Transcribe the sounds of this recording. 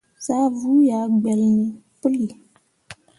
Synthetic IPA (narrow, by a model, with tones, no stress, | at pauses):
saː˦vuː˦jaː˨˦ɡ͡bɛ˨lnɨ˦pɨ˦lːi˨